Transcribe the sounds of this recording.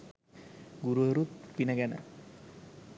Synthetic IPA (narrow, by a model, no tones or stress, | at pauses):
ɡuɾuəɾut̪pinəɡænə̰